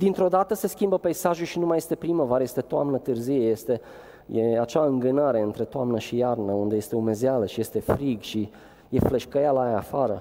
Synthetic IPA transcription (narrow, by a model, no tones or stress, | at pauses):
d̪int̪ɾo̞d̪at̪əse̞skʲimbəpejsaʒuʃinumaje̞st̪e̞pɾiməvaɾəjest̪e̞t̪oamnət̪ɨrzijejest̪e̞ | jeat͡ʃaɨŋɡɨnaɾe̞ɨnt̪ɾe̞t̪oamnəʃijarnəund̪ejest̪eume̞zealəʃije̞st̪e̞fɾiɡʃi | jefle̞ʃkəjalaajafaɾə